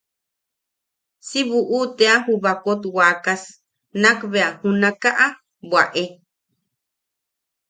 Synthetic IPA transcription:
siβuʔut̪eahuβakot̪waːkas | nãkβeahunãkaʔa | bwaʔe

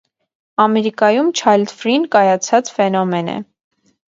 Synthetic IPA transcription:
ɑmɛɾikɑjumt͡ʃʰɑjld̪fɾinkɑjɑt͡sʰɑt͡sfɛnɔmɛnɛ̰

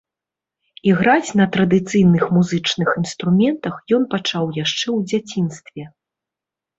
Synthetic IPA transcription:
iɣɾat͡sʲnɐt̪ɾɐd̪ɨt̪sɨjnɨxmuzɨt͡ʂnɨxinst̪ɾumʲɛnt̪ɐxjɔn̪pat͡ʂawjaʂt͡ʂɛwd͡zʲat͡sʲin̪st̪vʲɛ

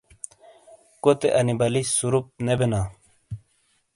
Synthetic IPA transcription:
kot̪eʔɐnibɐlisuɾup̚nebena

